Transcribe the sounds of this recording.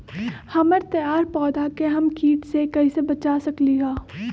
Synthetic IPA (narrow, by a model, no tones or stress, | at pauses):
hɐməɾt̪əjaːɾpɔːd̪akeɦɐmkiːʈsekɐisebɐt͡ʃaːsɐkliɦaː